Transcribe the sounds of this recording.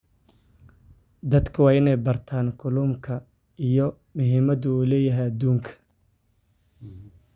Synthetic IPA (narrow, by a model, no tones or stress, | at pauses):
d̪ɐd̪kʰɐwɑːɪnɛjbɐrt̪ʰaːnkʰʊlʊmkʰɐ | ijɔ | mʊɦiːmɐðʊuːlɛːjɐɦɛjɐd̪uːŋkʰɐ̥